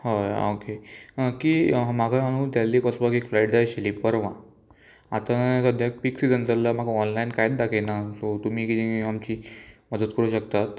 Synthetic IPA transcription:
haokekiːmaɡʰʱamaɽ̃ũt̪jalːiːkɔsbakikflaiɖdajɕeliːpəɾʋã | a̰t̪ãnsəd̪ʱjak̚piksid͡zənd͡zəlːamaɡʱaɔnlainkajt̪̚d̪akʰenasot̪um̤iːkit̪iamt͡ɕiːməd̪ət̪kəɾuːɕək̚t̪at̪

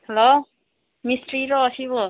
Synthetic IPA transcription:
helo | misʈriɾoːsiβo

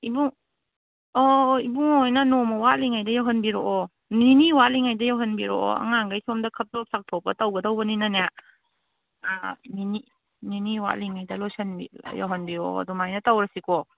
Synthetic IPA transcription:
ibuŋ | ɔibuŋojnɐnomɐwaʔliŋajdɐjawɦɐnbiɾoʔɔ | niniwatliŋajdɐjawɦɐnbiɾo̰ɔ̰ɐ̰ŋaŋɡajsomdɐkʰɐp̚top̚sak̚tʰopɐtɐwɡɐdɐwbɐninɐnja | nini | niniwa̰ʔliŋajdɐlojsɐnbija̰wɦɐnbiɾo̰ɐ̰dumajnɐtɐwɾɐsikɔ

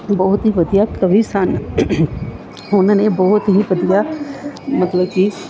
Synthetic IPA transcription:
bɔːʊt̪ɦiʋɐd̪ijakəʋisan | ʊnãnebɔːɦʊt̪ɦiʋɐd̪ija | mɐt̪ləbki

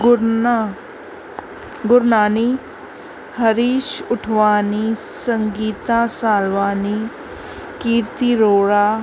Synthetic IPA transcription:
ɡʊɾnaːni | həɾiːʃʊʈʰʋaːnisəŋɡiːt̪ãːsaːlʋaːni | kiːɾt̪iɾoːɽaː

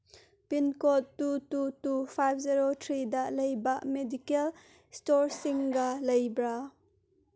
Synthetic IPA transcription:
pinkɔtːut̪ut̪ufajb̚ziɾot̪ʰɾid̪aʔlejbaʔmedikɛl | stɔɾsiŋɡalɐjbɾa

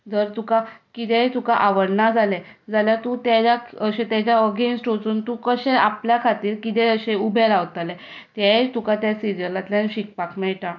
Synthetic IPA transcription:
d͡z̪əɾt̪ukakit̪ɛ̃t̪ukaʔaʋəɽnad͡zʱalɛ | d͡zaljat̪ut̪jat͡ɕaəɕẽt̪jat͡ɕaəɡensʈot͡suːnt̪ukəɕɛ̃apljakʰat̪iːɾkit̪ɛəɕẽubʱɛɾaʋt̪alɛ | t̪jaet̪ukat̪jasiɾijəɾlat̪ljanɕik̚pakmɛɭʈã

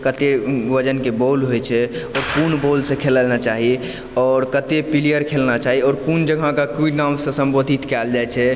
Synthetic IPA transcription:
kət̪eʋəd͡ʒənkebolɦojt͡ʃʰɛɔɾkunbolsẽkʰeləlnat͡ʃaɦi | ɔɾkət̪epilijəɾkʰelnat͡ʃaɦiɔɾkund͡ʒəɡʱãkakuinamsə̃sə̃mbod̪ʱit̪kɛld͡ʒajt͡ʃʰɛ

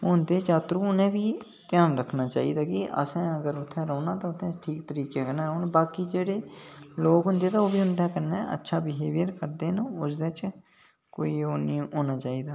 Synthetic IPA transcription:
ʊnd̪eːt͡ʃaːt̪ɾũːʊnẽːbiː | t̪ɪjaːnɾəkʰnaːt͡ʃa̰ːiːd̪aːkɪʔə̰sɛ̃ːəɡəɾʊt̪ʰːɛ̃ːɾɔːnãːt̪ãʊt̪ʰːɛ̃ːʈʰiːkt̪əɾiːkekəɾnɛ̃ːɾoːnːbaːkiːd͡ʒeːɽeːloːkɦʊ̃nd̪eːt̪aːoːbiːɦʊ̃nd̪ɛːkəɾneːə̰tːʃʰaːbɪɦeːʋɪjəɾkəɾd̪eːnʊsd̪et͡ʃ | ko̰ːiːoːniːoːnaːt͡ʃaːiːd̪aː

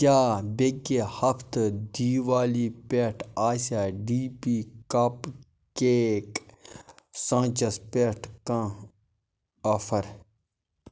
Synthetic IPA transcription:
kjaːbekehɐpt̪d̪iːʋaːliːpeːʈʰaːsaːɖiːpiːkɐp | keːk | sãːt͡ʃɐspeːʈʰkã | ɐfʰɐɾ

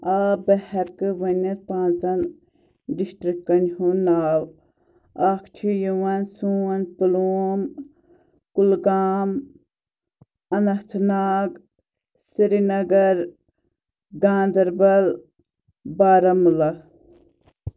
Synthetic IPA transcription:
aːbɐhɐɾkɨʋɐnɐɾpãːnt͡sɐn | ɖisʈɾikːɐnhunaːw | aːkʰt͡ʃʰijuʋɐnsuɐnpuluːm | kulɡaːm | ɐnɐht̪ʰnaːɡ | siɾinɐɡɐɾ | ɡaːnd̪ɐɾbɐl | baːɾɐmulɐ

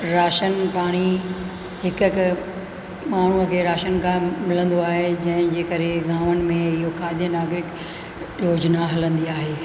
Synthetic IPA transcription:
ɾaːʃənpaːɽ̃i | ɦɪkk | maːɳ̤uəkʰeːɾaːʃənkʰãmɪlə̃nd̪oaːɦed͡ʑɐ̃ɦɪ̃d͡ʑeːkɐɾeɡaːʋənɪ̆mẽɪɦokaːɪd̪ʱjənaːɡɾɪk | joːd͡ʑnaɦɐlə̃nd̪iaːɦeː

